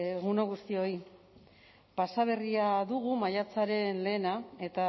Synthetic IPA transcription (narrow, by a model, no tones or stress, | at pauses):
ɣunoɣ̞ust̪io̞i | pasaβ̞e̞riaðuɣumajat͡saɾe̞nle̞ːnae̞t̪a